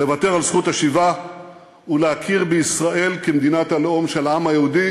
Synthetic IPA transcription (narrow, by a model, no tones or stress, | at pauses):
le̞vate̞ʁalsχutaʃiva | uleakʰiʁbeisʁae̞lkemed̪inatalo̞mʃe̞laamajeud̪i